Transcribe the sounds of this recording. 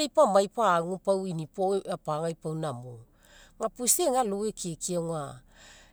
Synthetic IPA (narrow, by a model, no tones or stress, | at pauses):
ejpamajpaːŋupawinipoeapaŋajpawnamo | ŋapuseŋalowekiekiaŋa